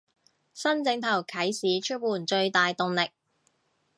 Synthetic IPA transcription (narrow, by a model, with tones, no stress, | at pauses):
sɐ˥nt͡sɪ˧˥ŋt̪ʰɐ˨˩wkʰɐ˨˥jsiː˨˥t͡ʃʰɵ˥t̚wuː˨˩nt͡ʃɵ˧ɥt̪aː˨jt̪ʊ˨ŋlɪ˨k̚